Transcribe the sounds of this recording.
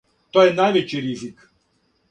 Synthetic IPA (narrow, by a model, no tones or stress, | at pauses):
t̪ojɛnajʋet͡ɕiɾizik